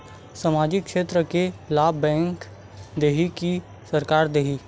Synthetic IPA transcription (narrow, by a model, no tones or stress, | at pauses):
səmaːd͡ʒɪkːʃeːt̪ɾəkelaːbɛ̃ːŋk | d̪eːɦiki | səɾkaːɾd̪eːɦi